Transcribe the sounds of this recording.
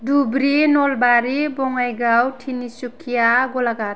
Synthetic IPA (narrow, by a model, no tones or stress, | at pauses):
dubɾinɔlbaɾibɔŋajɡawtʰinisukʰijaɡɔlaɡat̚